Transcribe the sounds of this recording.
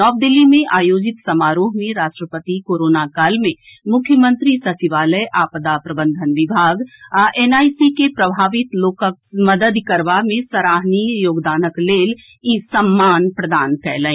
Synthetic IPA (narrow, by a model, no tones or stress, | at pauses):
nɔːʋd̪ɪlːimẽʔaːjoːd͡ʒɪt̪sɐmaːɾuːɦmẽɾaːʃʈɾəpət̪ikoːɾoːnakaːlmẽ | mʊkʰjəmə̃nt̪ɾisɐsɪʋaːləjʔaːpəd̪apɾɐbə̃nd̪ʱənʋɪbʱaːɡʔeːnaːisikepɾɐbʱaːʋɪt̪loːkəmɐd̪əd̪kəɾʋamẽsəɾaːɦnijoːɡd̪aːnəkleːl | iːsɐmːaːnpɾəd̪aːnkɛːlə̃ẽː